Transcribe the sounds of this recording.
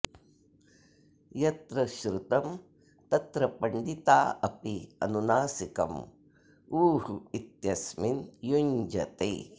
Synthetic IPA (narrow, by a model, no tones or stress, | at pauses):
jɐt̪ɾɐʃɾut̪ɐm | t̪ɐt̪ɾɐpɐɳɖit̪aːɐpiɐ̰nunaːsikɐ̰m | uːɦuit̪jɐsminjuɲd͡ʒɐt̪eː